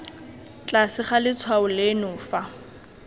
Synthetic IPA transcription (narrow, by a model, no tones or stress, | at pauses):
t͡ɬʼasɪχalɪt͡sʰwaʊlenʊːfa